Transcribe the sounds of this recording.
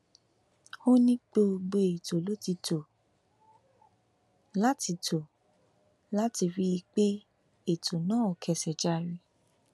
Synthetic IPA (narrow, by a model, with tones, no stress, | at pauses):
ho˦nĩ˦k͡po˧ɡ͡be˧e˨to˨lo˦ti˧to˨ | la˦ti˧tʰo˨ | la˦ti˧ɾi˦i˧k͡pe˦ | e˦˨to˨nãː˦ɔ˨kʰɛ˧˨sɛ˨d͡ʒa˧ɾi˧